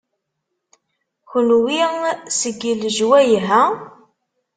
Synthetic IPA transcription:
xənwisəɡːəlʒwæjɦæ

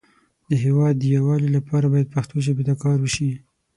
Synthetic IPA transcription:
d̪əɦewɑd̪ːəjawɑlilapɑɾabɑjad̪̚paxt̪oʒəbet̪akɑɾwəʃi

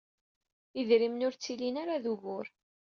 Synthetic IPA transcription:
iðɾimnʊɾt͡sːilinaɾaðuɣʊɾ

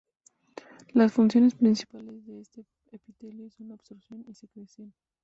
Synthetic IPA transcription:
lasfunsjonespɾinsi̥palezðeest̪e | epit̪eljesonobsoɾsjonesekɾesjen

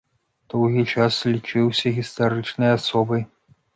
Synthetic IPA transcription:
d̪̥ɔwɣʲit͡ʂaslʲit͡ʂɨwsʲɐɣʲist̪aɾɨt͡ʂnɐjasɔbɐj

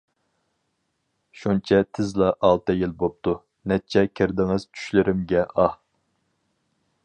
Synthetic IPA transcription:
ʃunt͡ʃʰɛt̪ʰɪzlˠɑʔɑlˠt̪ɨjilbop̚t̪ʰu | nɛt͡ʃʰɛkʲʰɪɾd̪ɪŋɨz̥t͡ʃʰy̥ʃlɪɾɪmɡʲɛʔɑh

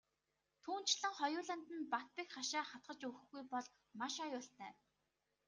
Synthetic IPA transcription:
t̪ʰuːn̥t͡ɕɮə̆ŋχɔjʊːɮə̆n̥t̪ɘ̆npat̪̚pĭkχaʃaːχat̪̚ɢə̆t͡ɕŭxɡujpɔɮ | maʃajʊːɬt̪æː

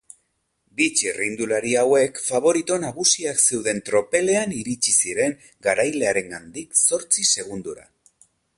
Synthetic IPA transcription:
bit͡ʃirind̪ulaɾiawe̞kfaβ̞o̞ɾit̪o̞naɣusiakse̞wðe̞nt̪ɾo̞pe̞le̞aniɾit͡ʃisiɾe̞ŋ | ɡaɾajle̞aɾe̞ŋɡand̪ikso̞ɾt͡sise̞ɣ̞und̪uɾa̰

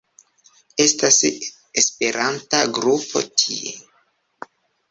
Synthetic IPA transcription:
e̞stas | espe̞ɾʔantaɡɾupo̞̰tʰiḛ

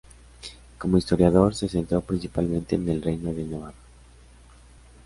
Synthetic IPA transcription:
komoist̪oɾjaðoɾsesent̪ɾowpɾinsipalmẽnt̪enelrejnoðenoβaka

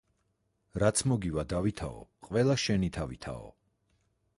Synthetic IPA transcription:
ɾat̪sʰmɔɡivad̪avit̪ʰaɔ̰qʼvɛlˠaʃɛnit̪ʰavit̪ʰa̰ɔ̰

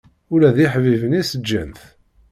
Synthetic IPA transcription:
ʊlæðiħvivənisəd͡ʒːənθ

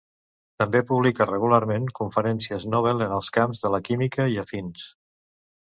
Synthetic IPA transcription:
t̪əmbepuβlikərəɣ̞ulaɾmeŋkuɱfəɾɛnsiəznɔβ̞ɛlˠənəlˠskamzðələkimikəiəfins

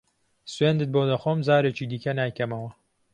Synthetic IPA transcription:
sweːnd̪ɨt̪̚boːd̪ɐxoːmzaːɾeːt͡ʃiːd̪iːkɐnaːjkɐmɐwɐ

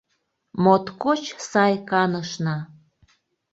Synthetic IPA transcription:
mot̪kot͡ɕsɑjkɑnəʃnɑ

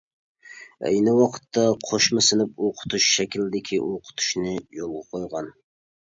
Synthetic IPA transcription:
ɛ̰jnɪwɑqʰə̥t̪ːɑqʰoʃmɨsɪnɪp̚oqʰʊ̥t̪ʰuʃʃɛkʲilɪd̪ɪkʲʰiʔoqʰʊ̥t̪ʰu̥ʃnɨjolˠʁɑqʰojʁɑn

